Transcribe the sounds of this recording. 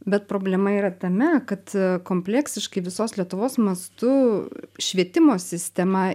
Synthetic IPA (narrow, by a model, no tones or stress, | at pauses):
bʲɛt̪̚pɾoːbʲlʲɛmɐiːɾɐt̪ɐmʲɛkɐt̪koːmʲpʲlʲɛksʲɪʃkɐɪʋʲɪsoːslʲiɛt̪ʊʋoːsmɐst̪ʊʃʲʋʲiɛt̪ʲɪmoːsʲɪsʲt̪ʲɛmɐ